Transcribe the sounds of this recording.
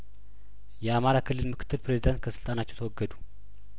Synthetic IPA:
jɛamaɾakʰɨlːɨlmɨkʰɨt̪ʰːɨlpɾezid̪ant̪̚kʰəsɨlt̪ʼanat͡ʃːɛwt̪ʰəwɔɡːəd̪u̥

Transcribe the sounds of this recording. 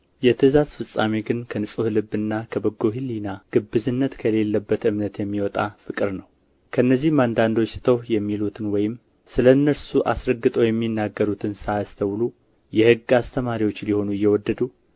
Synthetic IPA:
jɛt̪ʰɨzazfɨsʼamiɡɨnkʰənɨsʼohlɨbːɨnːakʰəbəɡo̞ɦilːinaɡ̥ɨbːɨzɨnːət̪kʰəle̞lːəbːət̪ɨmnət̪jɛmːiwɔt̪ʼafɨkʼɨɾnəw | kʰəɨnːəzːihmand̪and̪o̞t͡ʃsɨ̥t̪ʰəwjɛmːilut̪ʰɨnwɔjɪm | sɨlənːəɾsuʔasɾəɡːɨt̪ʼəwjɛmːinːaɡːəɾut̪ʰɨnsajast̪ʰəwlu | jɛhɨɡːast̪ʰəmaɾiwo̞t͡ʃːliho̞nujːɛwɔd̪ːəd̪u

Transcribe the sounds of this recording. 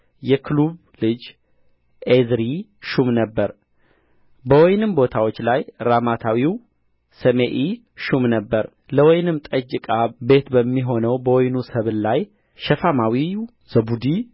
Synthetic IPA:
jɛkʰluβ | lɨd͡ʒ | ʔezɾiʃumnəbːəɾ | bəwɔjnɨmbo̞t̪ʰawot͡ʃːlajɾamat̪ʰawiw | səmeʔi | ʃumnəbːəɾ | ləwɔjnɨmt̪ʼəd͡ʒɪkʼabe̞t̪bəmːiɦo̞nəwbəwɔjnusəβlaj | ʃɛfamawi | z̥əbud̪i

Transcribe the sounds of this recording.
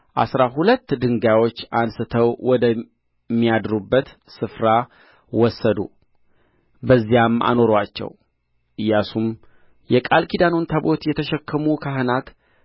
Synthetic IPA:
ʔa̰sɾaɦulət̪ːd̪ɨŋɡawo̞t͡ʃːansɨt̪ʰəwwɔd̪ə | mːijad̪ɾubːət̪sɨfɾa | wɔsːəd̪ṵ | bəzːijamʔa̰no̞ɾwat͡ʃːɛ̰w | ʔɨjasum | jɛkʼalkʰid̪anont̪ʰabo̞t̪jɛt̪ʰəʃɛkʰːəmukʰaɦɨnat̪

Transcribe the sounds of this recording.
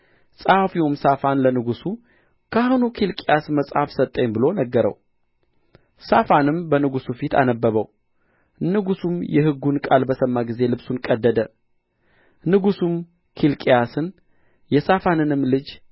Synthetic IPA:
sʼafiwumsafanlənɨɡusu | kʰahonukʰilkʼijasməsʼhafsət̪ʼːəɲbɨlo̞nəɡːəɾə̰w | safanɨmbənɨɡusufit̪ʰa̰nəbːəβəw | nɨɡusumjɛhɨɡːunkʼalbəsəmːaɡize̞lɨbsunkʼəd̪ːəd̪ə | nɨɡusum | kʰilkʼijasɨn | jɛsafanɨnɨmːlɨd͡ʒ

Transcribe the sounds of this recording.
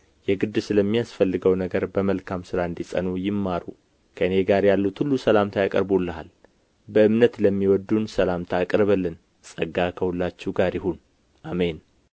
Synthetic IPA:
jɛɡɨd̪ːɨsɨləmːijasfəlːɨɡəwnəɡəɾbəməlkʰamsɨɾaɨnd̪isʼə̰nujɪmːaɾu | kʰəɨneɡaɾjalːut̪hulːusəlamt̪ʰajakʼə̰ɾbulːəɦa̰l | bəʔɨmnət̪ləmːiwɔd̪ːunsəlamt̪ʰaːkʼɾəβəlːɨn | sʼəɡakʰəhulːat͡ʃːuɡaɾjɪhun | ʔame̞n

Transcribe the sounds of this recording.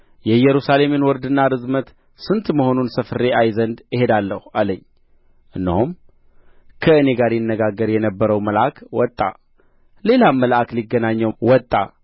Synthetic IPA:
jɛjɛɾusale̞menwɔɾd̪ɨnːaɾɨzmət̪ | sɨnt̪məho̞nunsəfɨɾe̞ajzənd̪ɪhe̞d̪alːəhualəɲː | ʔɨnːəhum | kʰəɨne̞ɡaɾjɪnːəɡaɡːəɾjɛnəbːəɾəwməlʔakwɔt̪ʼːa̰ | le̞laməlʔakliɡːənaɲːəwɔt̪ʼːa̰

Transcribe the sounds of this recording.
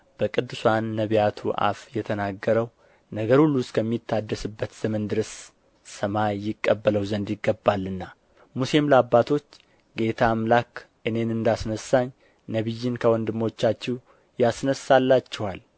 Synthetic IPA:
b̥əkʼɨd̪ːɨswanːəβijat̪ʰuʔa̰fjɛt̪ʰənaɡːəɾəw | nəɡəɾulːuskʰəmːit̪ʰːad̪ːəsɨbːət̪z̥əmənd̪ɨɾəs | səmajɪkʼːəbːələwzənd̪jɪɡːəbːalːɨnːa | muse̞mləabːat̪ʰo̞t͡ʃː | ɡe̞t̪ʰamlak | ʔɨne̞nɨnd̪asnəsːaɲ | nəβɨjːɪnkʰəwɔnd̪ɨmːo̞t͡ʃːat͡ʃːɛw | jasnəsalːat͡ʃːɛwal

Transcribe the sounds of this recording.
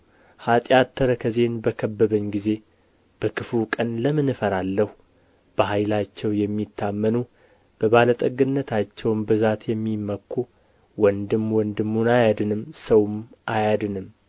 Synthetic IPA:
hat̪ʼjat̪ʰːəɾəkʰəze̞nbəkʰəbːəβəɲːɡize̞ | b̥əkʰɨfukʼənləmɨnɨfəɾalːəhu | b̥əhajlat͡ʃːɛwjɛmːit̪ʰːamːənu | b̥əβalət̪ʼəɡɨnːət̪ʰat͡ʃːɛwnbɨzat̪jɛmːimːəkʰːu | wɔnd̪ɨmwɔnd̪ɨmːunajad̪ɨnɨmsəwmʔajad̪ɨnɨm

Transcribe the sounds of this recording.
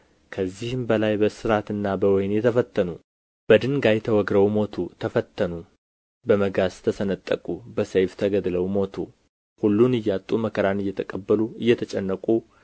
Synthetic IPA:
kʰəzːihɪmbəlajbəsɨɾat̪ɨnːabəwɔjnjɛt̪ʰəfət̪ʰːənu | b̥əd̪ɨŋɡajɛt̪ʰəwɔɡɾəwmo̞t̪ʰut̪ʰəfət̪ʰːənu | bəməɡast̪ʰəsənət̪ʼːəkʼubəsejft̪ʰəɡəd̪ləwmo̞t̪ʰu | hulːunɨjːat̪ʼːuməkʰəɾanɨjːɛt̪ʰəkʼəbːəluɨjːɛt̪ʰət͡ʃʼɛnːəkʼu

